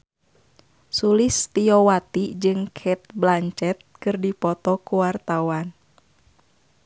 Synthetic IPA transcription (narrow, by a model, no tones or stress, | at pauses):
sulɪst̪iɔwat̪id͡ʒɨŋkʰɛt̪̚blaɲt͡ʃɛt̪̚kɨrdipɔt̪ɔkuwart̪awan